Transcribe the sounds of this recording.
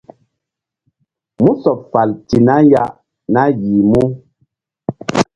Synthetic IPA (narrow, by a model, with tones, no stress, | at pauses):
mu˦sɔ˨p̚fa˨lti˨na˦ja˦ʔ | na˦ji˨mu˦